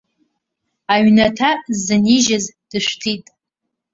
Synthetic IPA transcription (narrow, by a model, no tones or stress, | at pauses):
aɥnatʰazɨniʒazd̥ɨʃʷtʰitʼ